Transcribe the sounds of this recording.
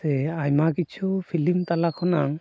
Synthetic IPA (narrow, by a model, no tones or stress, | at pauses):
ɛajmakit͡ʃʰupʰilimt̪alakʰɔnaŋ